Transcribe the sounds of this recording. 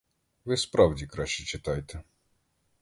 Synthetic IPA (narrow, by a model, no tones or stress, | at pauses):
vɪspɾavdʲikɾaʃit͡ʃɪt̪ajt̪ɛ